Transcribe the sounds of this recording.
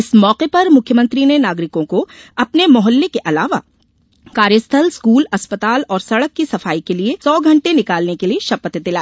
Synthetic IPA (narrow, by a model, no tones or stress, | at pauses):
ɪsmɔːqepɐɾmʊkʰjəmɐ̃nt̪ɾinenaːɡɾɪkõkoɐpnemʊɦəlːekeʔɐlaːʋa | kaːɾjəst̪ʰəlskuːlɐspət̪aːlɔːɾsɐɽəkːisɐfaːikeliesɔːɡʱɐ̃ɳʈenɪkaːlnekelieʃɐpət̪d̪ɪlaː